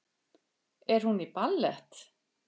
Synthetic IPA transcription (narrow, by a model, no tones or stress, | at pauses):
ɛɾ̥hunipalːɛht̪